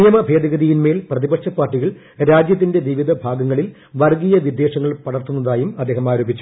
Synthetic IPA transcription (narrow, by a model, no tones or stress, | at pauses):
ijɐmɐbʱe̞ːd̪ɐɣɐðijinme̞ːlprɐðibɐkʂɐpːaːrʈːiɣɐɭ | ɾaːd͡ʑjɐt̪̬ːinde̞ʋiʋid̪ʱɐbʱaːɡɐŋːɐɭil | ʋɐrɡijɐʋid̪ːe̞ːʂɐŋːɐɭpɐɽɐrt̪ːunːɐðaːjumɐd̪ːeːɦɐmaːɾoːbʱit͡ɕːu̥